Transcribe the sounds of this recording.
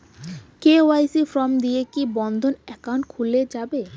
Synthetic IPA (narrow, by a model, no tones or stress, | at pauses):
keoajsifɾɔmd̪iekibɔnd̪ʱonɛkawnkʰuled͡ʑabe